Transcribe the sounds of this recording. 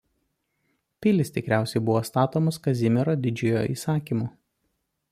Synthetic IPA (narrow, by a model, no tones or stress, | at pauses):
pʲɪlʲɪst̪ʲɪkɾʲæˑʊsʲɛɪbʊʋoːst̪ɑːt̪oːmɐskɐzʲɪmʲɪɾoːd̪ʲɪd͡ʒʲʊjoːʔḭːsɑːkʲiːmuː